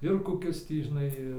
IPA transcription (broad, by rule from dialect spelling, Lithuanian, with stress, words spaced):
ɪr koːˈkʲɪs ˈtʲiː ʒʲɪˈnɐɪ